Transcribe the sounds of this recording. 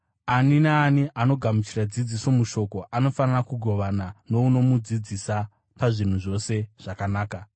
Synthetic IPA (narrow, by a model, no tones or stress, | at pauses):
aninaːniʔano̞ɡʱamut͡ʃirad͡zid͡ziso̞muʃo̞ko̞ʔano̞fanarakuɡʱo̞ʋanano̞uno̞mud͡zid͡zisa | paʐin̤uʐo̞se̞ʐ̥akanaːka